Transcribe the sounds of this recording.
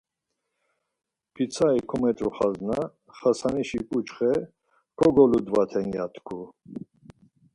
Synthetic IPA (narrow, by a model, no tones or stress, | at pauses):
pʰit͡sʰaikʰɔmɛt̪ʼɾṵχazna | χasaniʃikʼut͡ʃχɛ | kʰɔɡɔlud̪vat̪ʰɛnja̰t̪ʰkʰu